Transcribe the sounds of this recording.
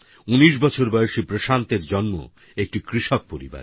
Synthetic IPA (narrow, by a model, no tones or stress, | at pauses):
uniʃ̬bɔt͡ɕʰoɾbɔeoʃipɾoʃant̪eɾd͡ʑɔnmo̰ | ek̚ʈikɾiʃok̚poɾḭba̰ɾ